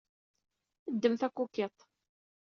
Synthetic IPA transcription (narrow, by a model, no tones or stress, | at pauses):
əd̪ːəmθækʷːukːet̪ˤ